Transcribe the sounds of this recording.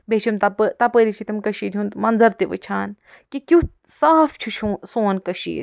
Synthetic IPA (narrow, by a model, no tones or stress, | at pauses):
bʱet͡ʃʰumt̪ɐpət̪ɐpəɾit͡ʃʰit̪ɐmkɐʃiːɾũnt̪mɐnzɐɾt̪iʋɨ̰t͡ʃʰaːn | kikju | saːfʰt͡ʃʰut͡ʃʰusoːnkɐʃḭːɾʲ